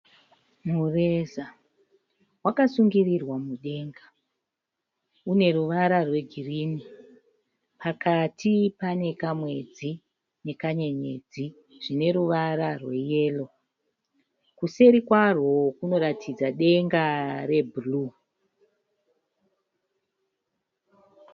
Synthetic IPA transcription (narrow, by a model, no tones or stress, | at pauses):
mureza | wakasuŋɡirirwamuɗe̞ːŋɡa | une̞ɾuʋaɾarwe̞ɡʱiriːni | pakatʰipane̞kamwe̞d͡zi | ne̞kaɲe̞ɲe̞̰d͡zi | ʐ̥ine̞ɾuʋaɾarwe̞je̞ːlo̞ | kuse̞ɾikwarwo̞kuno̞ɾatʰid͡zaɗe̞ŋɡare̞bʱulu